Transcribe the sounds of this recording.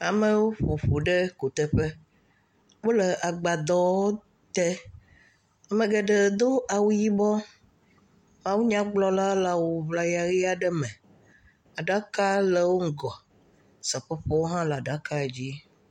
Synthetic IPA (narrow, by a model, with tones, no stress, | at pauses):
a˨mɛ̃˨wo˦ɸo˨ɸo˨ɖɛ˦ko˨t̪ɛ˦ɸɛ˦ | wo˦lɛ˨ʔa˨ɡ͡ba˨d̪ɔ˦wo˦ | t̪ɛ˦ | a˨mɛ̃˨ɡɛ˨ɖɛ˨d̪o˦a˨wu˦ji˦bɔ˦ | mã˦wu˦ɲã˦ɡ͡blɔ˦la˦la˨wo˨βla˨ja˨ɣi˦a˨ɖɛ˦mɛ̃˨ | a˨ɖa˦ka˦lɛ˨wo˦ŋ̩˦ɡɔ˨ | sa˨ɸɛ˦ɸɔ˦wo˦ɦã˦la˨ɖa˨ka˦˨d͡ʑi˦